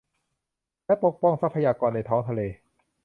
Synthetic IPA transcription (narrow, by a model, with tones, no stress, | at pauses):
lɛ˦˥po˨˩k̚pɔ˥˩ŋsa˦˥pʰa˧jaː˧kɔː˧nːa˧jt̪ʰɔː˦˥ŋt̪ʰa˧leː˧